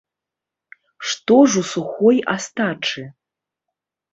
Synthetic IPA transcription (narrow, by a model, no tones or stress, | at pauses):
ʂt̪oʐusuxoja̰st̪aʈ͡ʂʰɨ